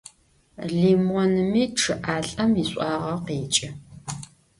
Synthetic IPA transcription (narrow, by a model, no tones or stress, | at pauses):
ɮiːmɔnɨmiːʈ͡ʂʰɨʔaːɬʼɐmiɕʷʼɑːʁɐqeːt͡ʃʼɪ